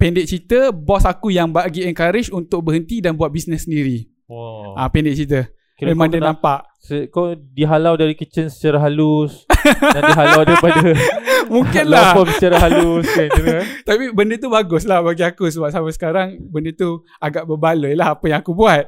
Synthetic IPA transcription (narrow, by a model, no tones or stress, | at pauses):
pɛndɪʔ̚t͡ʃit̪əbɔsakujaŋbaɡiɛŋkaɾɪt͡ʃunt̪ʊk̚bəɦənt̪idanbuat̪̚bisnɛsːəndiɾi | ʔapɛndɪʔ̚t͡ʃit̪ə | kemãŋdənampaʔ | səkawdiɦalawdaɾikət͡ʃənsə̥t͡ʃaɾaɦalusandiɦalawdaɾipadəmũŋkɪnlahpasət͡ʃaɾaɦaluskaniɾt̪apibəndət̪ubaɡʊslahbaɡiakusəbap̚samasə̥kaɾaŋbəndət̪u | aɡaʔbəbaləjlahapəjãŋakubuat̪̚